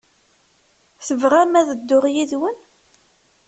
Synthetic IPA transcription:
θəvʁæmæðəd̪ːʊʁjiðwən

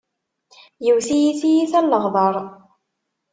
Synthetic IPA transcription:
jəwθijiθijiθælːəʁðˤɑɾˤ

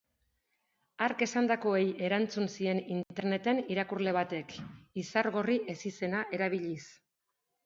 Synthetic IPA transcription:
aɾke̞sand̪ako̞e̞je̞ɾant͡sunsie̞nintt̪e̞ɾne̞t̪e̞niɾakurle̞β̞at̪e̞kisaɾɣo̞riʔe̞sise̞naʔe̞ɾaβ̞iʎis

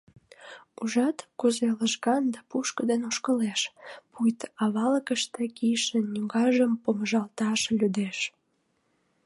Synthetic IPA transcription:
uʒɑt̪kuzeləʒɣɑnd̪ɑpuʃkəd̪enoʃkəleʃpujt̪ɑβɑləkəʃt̪ekijʃənnʲuɡɑʒəmpoməʒɑlt̪ɑʃlʲyd̪eʃ

